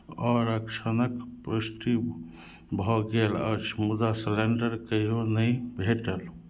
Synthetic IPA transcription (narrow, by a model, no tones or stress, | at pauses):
ɔɾəkt͡ʃʰənəkpɾəsʈi | bʱɔɡelə̰t͡ʃʰmud̪asleɳɖəɾkəɦonəjbʱeʈəl